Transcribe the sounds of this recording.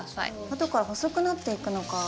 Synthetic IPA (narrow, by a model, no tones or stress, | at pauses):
a̰ḭ | at̪o̞kaɾaɦo̞so̞kɯ̟nat̪ːe̞ikɯ̟no̞ka